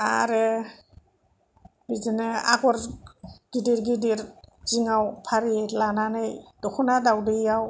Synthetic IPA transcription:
a̰ɾe | bizenɯa̰ɡɔɾɡ̥idiɾɡidiɾz̥iŋawpʰaɾilananɯjd̥ɔkʰunadawdijaw

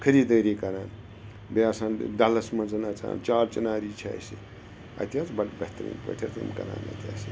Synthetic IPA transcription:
kʰɐɾiːd̪əːɾikɐɾaːn | beasaːnd̪ɐlɐsmɐnd͡zɨnat͡sa̰ːnt͡ʃaːɾt͡ʃɐnaːɾiːt͡ʃʰa̰ːjsi | ɐ̰t̪ʲaːt͡sbɐbɐht̪ɾḭːnpə̰ʈʲʰat͡sɨmkɐɾa̰ːnɐ̰t̪ʲaːsi

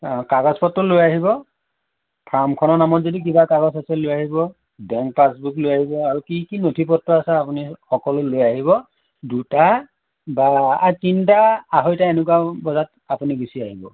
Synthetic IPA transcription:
kaɡɔspɔtːʊlojaɦibɔ | pʰamkʰɔnɔnamɔtzodik̬ibakaɡɔsasɛlojaɦibɔ | bɛŋk̚pasbuklojaɦibɔaɹukikinotʰipɔtːɔasɛapunixɔkɔlʊlojaɦiβɔ | duta | baːtintaaɦojtaenɛkwabɔzat | apuniɡusiaɦibɔ

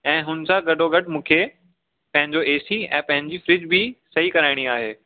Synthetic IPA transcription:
ɛ̃ːɦʊnsãɡɐɖʱoɡɐɖmũːkʰe | pɐ̃ɦɪ̃ɲd͡ʑoeːsiɛ̰̃ːpɐ̃ɦɪ̃ɲd͡ʑifɾɪd͡ʑbʱɪsɐɦikɐɾaːɪɽ̃iaːɦeː

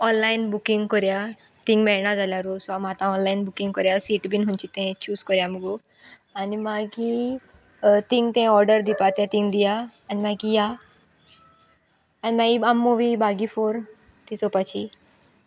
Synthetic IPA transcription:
ɔnlainbukiŋɡkɔɾja | t̪iŋɡmɛɭnad͡zaljaɾosamat̪ãɔnlainbukĩŋɡkɔɾjasiːʈbinɦũnt͡ɕit̪ɛ̃t͡ɕuːskɔɾjamɡu | animaki | t̪ĩŋɡt̪ɛ̃ɔɾɖəɾd̪ipat̪jãt̪ĩŋɡd̪ijaːnimãkija | nimaiamːuʋibaɡifoɾ | t̪isɔpat͡ɕʰi

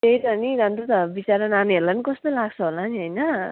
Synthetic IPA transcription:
t̪ejt̪ʌniɾant̪ut̪bit͡saɾʌnaneɦelanikʌst̪olaɡt͡sʰʌɦolaniɦʌjnʌ

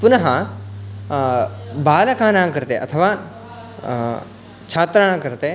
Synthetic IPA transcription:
pʊnɐɦã | baːlɐkãːnãːkɐɾt̪eʔɐ̰t̪ʰəʋaː | t͡ʃʰaːt̪ɾəɽ̃kɐɾt̪e

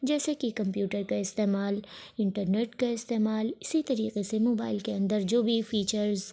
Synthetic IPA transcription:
d͡ʒɛːsekikɐ̃mpjuːʈəɾkaɪst̪eːmaːlɪ̃ɳʈəɾneːʈkaɪst̪eːmaːlɪsit̪ɐɾiːqesemoːba̰ːɪlkeɐ̃nd̪əɾd͡ʒoːbʱifiːt͡ʃəɾz

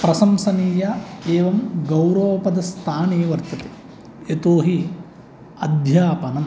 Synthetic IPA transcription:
pɾɐsɐmsɐniːjɐeːʋɐmɡɐwɾɐʋɐpɐd̪ɐst̪ʰaːneːʋɐɾt̪ɐt̪e̥ | et̪oːɦi | ɐd̪ʱjaːpɐnɐm

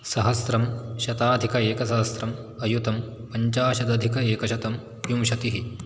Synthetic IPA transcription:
sɐɦɐsɾɐmʃɐt̪aːd̪ʱikɐeːkɐs̬ɐɦɐsɾɐm | ɐjut̪ɐmpɐɲt͡ʃaːʃɐd̪ɐd̪ʱikɐeːkɐʃɐt̪ɐm | jumʃɐt̪iɦi

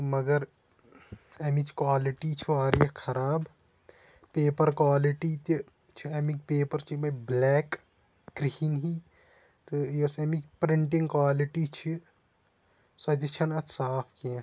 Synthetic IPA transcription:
mɐɡɐɾ | ɐmit͡ʃʰkwaːliʈit͡ʃʰiaːɾjɐkʰɐɾaːb | peːpɐɾkwaːliʈit̪i | t͡ʃʰiɐmikpeːpɐɾt͡ʃʰimɐblɛːkː | ɾihinɦi | t̪ɨjɐsɐmikpɾɪɳʈɪ̃ŋɡkwaːliʈit͡ʃʰi | sɐt̪it͡ʃʰɐnɐsaːpʰkiã

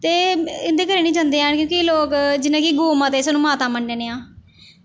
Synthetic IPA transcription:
t̪eːɪnd̪eːkəɾeːniːd͡ʒãːnd̪eːaːnkjõːkiloːkd͡ʒɪnãːkiɡoːmãːt̪eːsaːnũːmaːt̪ãːməɳɖeːneːãː

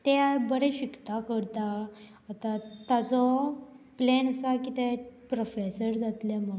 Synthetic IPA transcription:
t̪ɛbəɽɛ̃ɕikt̪akəɾt̪aː | t̪at̪at͡sɔ | plenəsakit̪ɛpɾofesəɾd͡zat̪lamə

